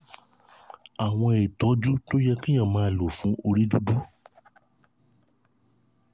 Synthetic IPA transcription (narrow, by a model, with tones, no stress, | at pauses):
a˨w̃ɔ̃˧˨i˨tɔ˨˦d͡ʒu˦to˦jɛ˦kĩ˦j̃ã˦˨mãː˨˧˦lo˨fũ˨˦o˧ɾi˦du˦du˦